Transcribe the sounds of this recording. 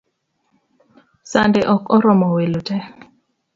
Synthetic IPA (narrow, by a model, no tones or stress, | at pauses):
sandeʔɔkɔɾɔmɔwelotɛ